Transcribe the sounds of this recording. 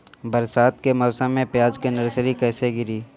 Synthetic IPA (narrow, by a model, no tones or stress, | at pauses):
bɐɾsaːt̪kemɔːsə̃mːẽpɪjaːd͡ʒkenɐɾsɾikɛːseɡɪɾiː